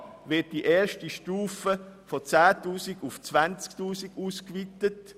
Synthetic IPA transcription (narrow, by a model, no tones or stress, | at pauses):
vɪt̚d̥iʔɛːʃtiʃtuːfəfɔt͡saːtuːsiɡʊft͡sʋant͡sktuːsiɡuːskvitət